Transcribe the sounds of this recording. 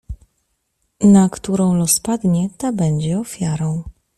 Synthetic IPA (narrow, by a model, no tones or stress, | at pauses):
nakt̪uɾɔ̃w̃lɔspad̪ɲɛt̪abɛɲd͡ʑɛɔfʲjaɾɔ̃w̃